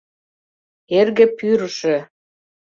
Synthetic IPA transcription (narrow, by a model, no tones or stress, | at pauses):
erɣĕpyɾəʃĕ